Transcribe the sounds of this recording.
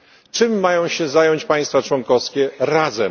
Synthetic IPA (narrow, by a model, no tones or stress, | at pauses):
t͡ʂɘmːajɔ̃w̃ɕɛzajɔɲt͡ɕpaj̃st̪fat͡ʂwɔŋkɔfskʲɛɾazɛ